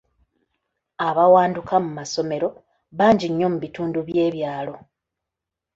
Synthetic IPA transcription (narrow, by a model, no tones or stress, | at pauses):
aβawaːndukʰamumaso̞me̞ɾo̞ | βaːɲɟiɲːo̞muβituːnduβje̞ːβjaːlo̞